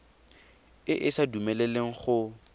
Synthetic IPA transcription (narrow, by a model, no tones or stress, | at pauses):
ɪʔɪsadumɛleleŋ̩χʊ